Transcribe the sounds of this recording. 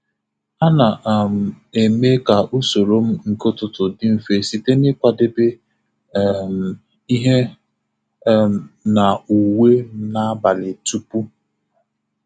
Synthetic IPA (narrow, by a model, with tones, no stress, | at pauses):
a˦na˨m̩˨ | e˨me˦ka˨ʔu˦so˨ɾo˦m̩˦ŋ̩˨ko˦tʊ˦tʊ˨dɪ˦m̩˨fe˨si˦te˦nɪ˦kʷa˨dɪ˦bɪ˦ | m̩˨ | i˦ɦe˦ | na˨u˨we˦m̩˦na˦ba˨lɪ˨tu˦pu˦